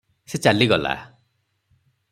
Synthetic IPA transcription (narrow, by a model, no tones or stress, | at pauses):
set͡ʃaliɡɔla̰